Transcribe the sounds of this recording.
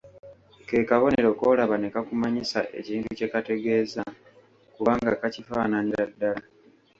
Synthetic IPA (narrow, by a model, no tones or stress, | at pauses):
ke̞ːkaβo̞ne̞ɾo̞ːko̞ːlaβane̞kakumaɲisa̰ʔe̞̰ciːntuce̞kate̞ɡe̞ːza | kuβaːŋɡakacifaːnaniɾadːala